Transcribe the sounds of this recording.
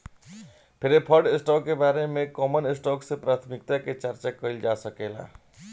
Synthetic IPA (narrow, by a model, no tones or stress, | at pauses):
pʰɪɾepʰəɾɖɪsʈɔːkːebaːɾemẽkɔːmənɪsʈɔːksepɾaːt̪ʰmɪkt̪aket͡ʃəɾt͡ʃakəild͡ʒaːsəkeːla̰ː